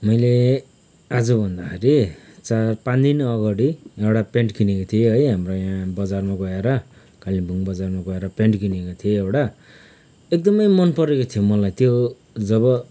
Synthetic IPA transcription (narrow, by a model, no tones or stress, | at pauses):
mʌjle | ad͡zʌbʱʌnd̪akʰeɾit͡sarpãnd̪inʌɡaɽiewɽapeɳʈkinekot̪ʰieɦʌjɦamrojãbʌd͡zarmaɡʌeɾʌ | kalibʱuŋbʌd͡zarmaɡʌeɾʌpeɳʈkinekot̪ʰieewɽa | ek̚d̪ʌmʌjmʌnpʌɾekot̪ʰijomʌlajt̪jo | d͡zʌβʌ